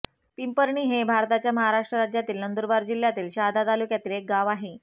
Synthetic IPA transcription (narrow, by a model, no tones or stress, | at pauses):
pimpəɾɳiːɦebʱaɾt̪at͡ɕjaməɦaɾaʂʈɾəɾad͡ʑjat̪iːlnənd̪uɾbaɾd͡ʑiljat̪iːlɕad̪ʱat̪alukjat̪iːlek̚ɡaʋaɦe